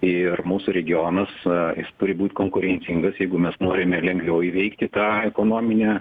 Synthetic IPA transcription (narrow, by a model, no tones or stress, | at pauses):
ɪrmuːsʊɾʲɛɡʲɪoːnɐsjɪst̪ʊɾʲɪbuːtʲkoːŋkʊɾʲɛnʲt͡s̪ʲɪŋɡɐsjɛɪɡʊmʲɛsnoːɾʲɪmʲɛlʲɛŋɡʋʲɛʊiʋʲɛɪkt̪ʲɪt̪ɑːɛkoːnoːmʲɪnʲæː